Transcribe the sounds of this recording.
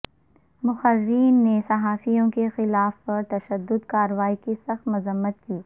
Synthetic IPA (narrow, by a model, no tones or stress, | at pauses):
mʊxɐɾːiːnːesɐɦaːfijõkexɪlaːfpɐɾt̪ɐʃəd̪ːʊd̪kaːɾəʋaːikisɐxt̪mɐzəmːət̪̚kiː